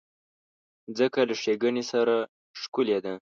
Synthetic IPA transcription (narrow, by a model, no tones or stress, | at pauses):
zəkalaʂeɡənesaɾa | ʂkuled̪a